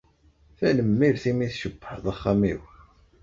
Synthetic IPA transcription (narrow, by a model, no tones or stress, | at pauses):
θænəmːiɾθimiθʃəbːəħðˤɑχːamiw